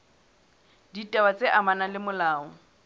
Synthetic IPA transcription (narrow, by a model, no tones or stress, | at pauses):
ditʼawat͡sʼeʔamanalɪmʊlaːɔ